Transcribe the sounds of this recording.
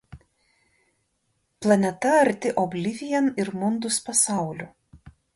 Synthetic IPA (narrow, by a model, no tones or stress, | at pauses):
plˠɐnʲɛt̪ɐɐɾʲt̪ʲɪʔɔbʲlʲɪʋʲɪjɛnɪɾmʊnd̪ʊspɐsɑˑʊlʲʊ